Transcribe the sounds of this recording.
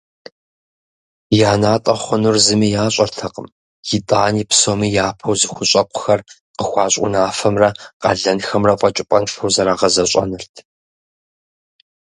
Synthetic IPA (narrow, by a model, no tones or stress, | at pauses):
jaːnaːtʼɐχʷʊnʊrzɨmiːjaːɕʼɐrtʰɐqəm | jɪtʼaːniːpsoːmiːjaːpʰɐwzɨxʷʊɕʼɐqʷʰʼʊ̥xɐr | qəxʷɑːɕʼʊ̰naːfɐmrɐqɐ̰ɮɐnxɐmrɐqʷʼɐt͡ʃʼɪpʼɐnfɐwzɐɾaːʁɐzɐɕʷʼɐ̰nɨrtʰ